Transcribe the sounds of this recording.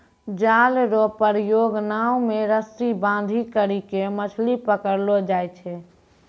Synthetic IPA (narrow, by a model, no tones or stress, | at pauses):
d͡ʒalɾopəɾjoɡnaumeɾəsibãnd̪ʱikəɾikemət͡ʃʰlipəkəɾlod͡ʒajt͡ʃʰɛ